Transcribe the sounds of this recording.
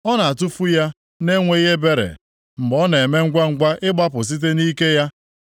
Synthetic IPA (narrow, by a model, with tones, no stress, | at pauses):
ɔ˦na˨a˨tu˦fu˦ja˦ | ne˦ŋʷe˨˦i˦ɦe˦be˦ɾḛ˨ | m̩˨ɡ͡bɔ˦n˨e˨me˦ŋ̩˦ɡʷa˦ŋ̩˦ɡʷa˦ʔɪ˦ɡ͡ba˦pʊ˨s̬i˦t̬e˦ni˦ke˦ja˦